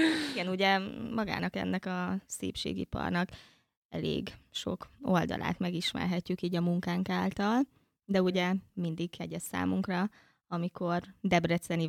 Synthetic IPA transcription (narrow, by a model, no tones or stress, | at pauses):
iɡɛnuɟɛmɒɡa̰ːnɒkɛ̰nːɛkɒsḛːpʃḛːɡḭpɒ̰rnɒk | ɛ̰lḛːɡʃo̞̰kold̪ɒ̰lʔa̰ːt̪mɛɡiʃmɛ̰rɦɛcːykiːɟɒmuŋkaːŋkaːlt̪ɒl | d̪ɛuɟɛmind̪ikhɛɟɛssa̰ːmuŋkrɒ | ɒmiko̞rd̪ɛbrɛt̪sɛni